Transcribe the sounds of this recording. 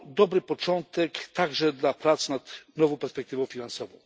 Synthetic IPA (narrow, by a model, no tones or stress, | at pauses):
d̪ɔbɾɘpɔt͡ʂɔnt̪ɛkt̪aɡʐɛd̪lapɾat̪snat̪nɔvɔ̃w̃pɛɾspɛk̚t̪ɘvɔ̃w̃fʲinansɔvɔ̃w̃